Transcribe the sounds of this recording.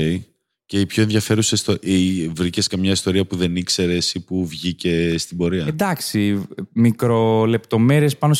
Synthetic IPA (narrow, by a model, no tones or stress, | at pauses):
e | ceipço̞e̞nðʝɐfe̞ɾusest̪ovɾiceskɐmɲɐist̪o̞ɾiɐpuðe̞nikse̞ɾe̞sipuvʝice̞st̪ibo̞ɾiɐnd̪ɐksimikɾo̞le̞pt̪o̞me̞ɾie̞spɐnos